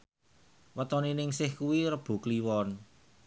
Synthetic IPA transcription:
wət̪ɔninɪŋsɪhkuwiɾəb̥ṳkliwɔn

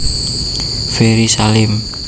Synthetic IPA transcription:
feɾisalɪm

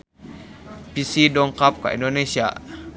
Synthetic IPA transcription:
pisidɔŋkap̚ka̰ʔḭndonesia

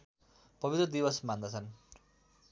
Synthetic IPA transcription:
pʌbit̪rʌd̪ibʌsmand̪ʌt͡sʰʌn

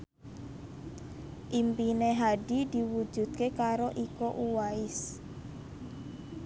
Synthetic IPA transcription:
ʔimpineɦaɖidi̤wu̥d͡ʒ̥ṳd̪̥̚kekaɾoʔikoʔuwaɪs

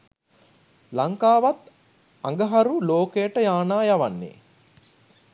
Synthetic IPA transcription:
lɐŋkaːʋɐt̪ | ɐŋɡɐɦɐɾuloːkeːʈəjaːnaːjɐʋɐnːḛ

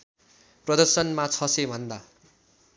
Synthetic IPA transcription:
prʌd̪ʌrsʌnmat͡sʰʌsebʱʌnd̪a

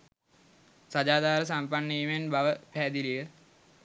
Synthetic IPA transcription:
sad͡ʒaːd̪aːɾəs̬ampanːiːmenbaʋəpæːd̪ilijə

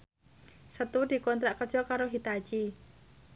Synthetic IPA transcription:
sət̪ud̪̥i̤kɔnt̪ɾaʔkərd̥ʒ̥ɔ̤kaɾoɦit̪ḁd͡ʒ̥i

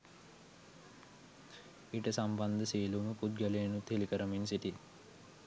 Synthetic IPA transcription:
iʈɐsambɐnd̪ɐsiːlumupud̪̚ɡɐleːnut̪ʰelikɐɾɐminsiʈi

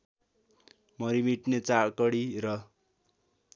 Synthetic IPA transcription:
mʌɾimiʈnet͡sakʌɽirʌ

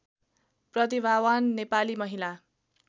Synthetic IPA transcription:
prʌt̪̬ibʱawanːepalimʌɦila

